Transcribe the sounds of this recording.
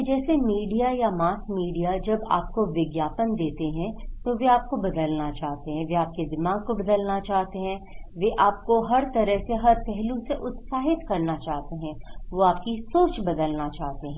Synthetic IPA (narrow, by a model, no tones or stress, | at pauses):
d͡ʒɛːsemiːɖijajamaːsmiːɖijad͡ʒɐba̰ːp̚koʋɪɡjaːpənd̪eːt̪eɦɛ̃t̪oʋeaːp̚kobɐd̪əlnat͡ʃaːɦt̪eɦɛ̃ʋeaːp̚ked̪ɪmaːɡ̚kobɐd̪əlnat͡ʃaːɦt̪eɦɛ̃ːʋeʔaːp̚koɦɐɾt̪ɐɾəɦseɦɐɾpɛɦlũseʔʊt̪saːɦɪt̪kɐɾnat͡ʃaːɦt̪eɦɛ̃ːʋoaːp̚kisoːt͡ʃbɐd̪əlnat͡ʃaːɦt̪eɦɛ̃ː